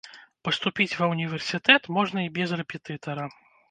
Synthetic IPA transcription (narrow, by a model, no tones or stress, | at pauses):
pɐst̪upʲit͡sʲvɐwnʲivʲɛrsʲit̪ɛt̪mɔʐnɐibʲɛzrɛpʲɛt̪ɨt̪ɐɾɐ